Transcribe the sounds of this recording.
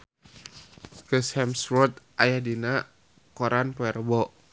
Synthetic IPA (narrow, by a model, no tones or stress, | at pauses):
kəshɛmsrɔt̪̚ʔajadina | kɔɾanpɔɛrbɔ